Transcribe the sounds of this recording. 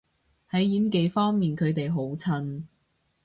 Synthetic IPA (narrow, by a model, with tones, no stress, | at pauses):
hɐ˨˥jjiː˨˥nk̬e˨˧jfɔː˥ŋmiː˨nkʰɵ˨˧ɥt̪e˨jɦo˨˥wt͡sʰɐ˧n